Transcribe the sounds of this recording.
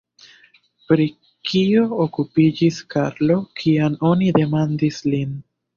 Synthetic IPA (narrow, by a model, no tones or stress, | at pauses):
pɾi | kio̞ːkupid͡ʒiskaɾlo̞kʰiamo̞nide̞mandislin